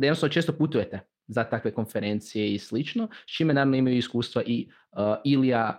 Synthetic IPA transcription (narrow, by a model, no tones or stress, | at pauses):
d̪ajnosanːot͡ʃest̪oput̪uje̞t̪e | zat̪akʋe̞ko̞nfeɾe̞nt̪sijeislit͡ʃno̞t͡ʃiːmenaːɾaʋnoimajuiskuːst̪ʋaʔi | ilija